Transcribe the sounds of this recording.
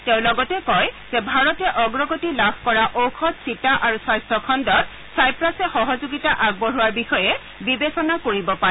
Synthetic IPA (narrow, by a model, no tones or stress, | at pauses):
tẽʊ̃lɔɡɔtɛkɔjz̥ɛbʱaɹɔtɛʔɔɡɹɔɡotilabʱkɔɹaʔowxʰɔtsitaʔaɹusajstʰɔkʰɔndɔt̚ | sajpɹasɛxɔɦɔzuɡitaʔaɡ̚bɔɦuwaɹbixɔjɛ | bibesɔnakoɹibɔpaɛ